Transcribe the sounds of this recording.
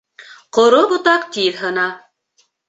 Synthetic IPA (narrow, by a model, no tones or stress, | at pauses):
qŏɾobŏt̪ɑqt̪iðɦɤ̆nɑ